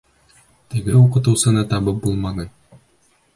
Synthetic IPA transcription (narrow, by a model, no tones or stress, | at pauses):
t̪ɘ̆ɡɘuqɤ̆t̪ŭwsɤ̆nɑt̪ɑβɤp̚bulˠmɑnˠɤ